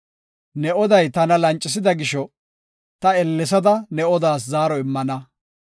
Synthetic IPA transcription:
nɛɔd̪ɐjt̪ɐnɐlɐnt͡ʃʼːɪs̬ɪd̪ɐɡɪʃɔ | t̪ɐɛlːɛs̬ɐd̪ɐnɛɔd̪aːszaːɾɔɪmːɐnɐ

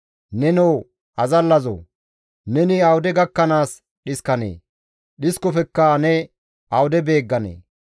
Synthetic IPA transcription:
nɛnɔw | ʔɐzɐlːɐzo̰ː | nɛnɪɐwʊd̪ɛɡɐkːɐnaːs | ɗɪskɐnḛː | ɗɪskɔfɛkːanɛ | ʔɐwʊd̪ɛbe̞ːɡːɐnḛː

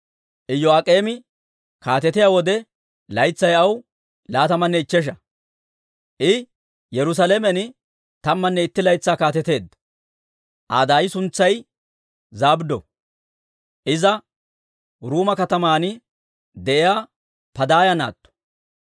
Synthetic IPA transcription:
ʔɪjːɔakʼe̞ːmɪ | kaːt̪ɛt̪ɪjaːwɔd̪ɛ | lɐjt͡sːɐjɐw | laːt̪ɐmɐnːɛɪt͡ʃːɛʃ̬ɐ | ʔɪ | jɛɾʊs̬ɐlemɛnɪ | t̪ɐmːɐnːɛɪt̪ːɪlɐjt͡sːaːkaːt̪ɛt̪e̞ːd̪ɐ | ʔa̰ːd̪aːjɪsʊnt͡sːɐj | zaːbd̪ɔ̰ | ʔɪzɐ | ɾuːmɐkɐt̪ɐmaːnɪ | d̪ɛʔɪjaː | pɐd̪aːjɐna̰ːt̪ːɔ̥

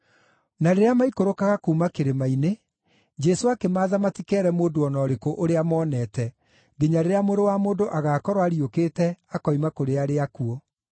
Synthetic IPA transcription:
naɾeɾeamaikoɾokaɣakuːmakeɾemaine | d͡ʒɛsoakemaːðamatikɛɾɛmoːdoɔnɔːɾekoʔoɾeamɔːnɛtɛ | ɡeɲaɾeɾeamoɾowamoːndoʔaɣaːkɔɾwaɾiokeːtɛakɔimakoɾeaɾeakuɔ

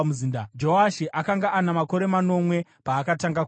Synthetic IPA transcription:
uzindad͡ʒo̞aʃiʔakaŋɡaʔanamako̞ɾe̞mano̞mwe̞paːkataŋɡak

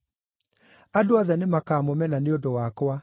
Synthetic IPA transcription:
adoaðɛnemakaːmomɛnaneondowakwa

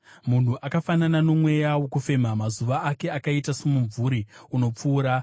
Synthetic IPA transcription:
mun̤uʔakafananano̞mwe̞jawo̞kufe̞m̤amazuʋaake̞akaitase̞muɱvuɾiuno̞p͡fuːɾa

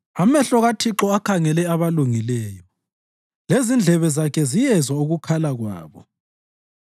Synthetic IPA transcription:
amɛɬɔɣatʰiǁɔakʰaŋɛlɛaβaluŋilɛːjɔ | lezind͡ɮʱɛβɛzakʰɛzijɛzwauɣukʰalaɣwa̰ːβɔ

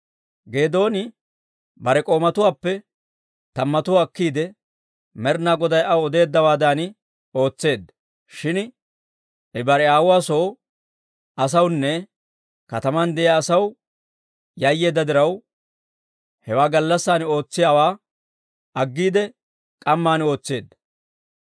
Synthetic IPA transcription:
ɡe̞ːd̪o̞ːnɪ | bɐɾɛkʼo̞ːmɐt̪ʊwaːpːɛ | t̪ɐmːɐt̪ʊwaːkːiːd̪ɛ | mɛɾnaːɡɔd̪ɐjʔɐwɔd̪e̞ːd̪ːɐwaːd̪aːnɪ | o̞ːt͡sːe̞ːd̪ːɐ | ʃɪn | ʔɛbɐɾɛaːwʊwaːso | ɐsɐwnːɛ | kɐt̪ɐmand̪ɛʔaːsɐw | jɐjːe̞ːd̪ːɐd̪ɪɾɐw | hɛwaːɡɐlːɐsːaːno̞ːt͡sːɪjaːwaː | ɐɡːiːd̪ɛ | kʼɐmːaːno̞ːt͡sːe̞ːd̪ːɐ̥

